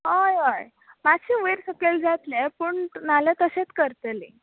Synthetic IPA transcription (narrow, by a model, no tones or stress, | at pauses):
ɦajəj | maɕʰiʋeɾsəkeld͡zʱat̪lepəɳnalet̪əset͡skəɾt̪eli